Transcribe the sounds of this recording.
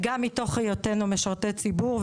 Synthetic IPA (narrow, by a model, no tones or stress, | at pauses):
ɡamːito̞χejotenumeʃaʁtet͡sibuʁv